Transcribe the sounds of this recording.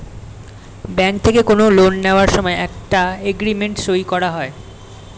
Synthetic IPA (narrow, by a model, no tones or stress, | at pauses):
bɛŋk̚t̪ʰekekonolonːeoaɾʃɔmɔeɛk̚ʈaeɡɾimeɳʈʃoikɔɾaɦɔe